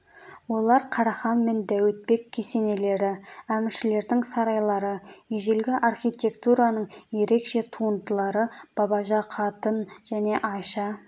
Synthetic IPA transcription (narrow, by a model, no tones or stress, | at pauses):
wo̞lˠɑɾqʰɑɾɑχɑnme̞nd̪æwet̪̚pe̞kʲʰːese̞ne̞le̞ɾɪæmɪɾʃɪle̞ɾd̪ɪŋsɑɾɑjlˠɑɾəiʒelɡʲɪʔɑrχʲijt̪ʲe̞kt̪uɾɑnəɴje̞ɾe̞kʃe̞t̪ʰuənd̪əlˠɑɾəb̥ɑbɑʒɑqʰɑt̪ənʒ̥æne̞ʔɑjʃɑ